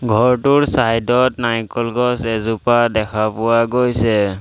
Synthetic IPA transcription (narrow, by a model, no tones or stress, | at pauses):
ɡʱɔɹtʊɹsajdɔtnajkɔlɡɔsɛzupadɛkʰapʊwaɡojsɛ